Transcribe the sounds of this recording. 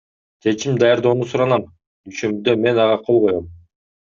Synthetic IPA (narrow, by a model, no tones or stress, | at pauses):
t͡ʃʰe̞t͡ʃimd̪ɑjɑɾd̪oːnusuɾɑnɑm | d̪yʃømd̪øme̞nɑʁɑqʰo̞lˠʁojom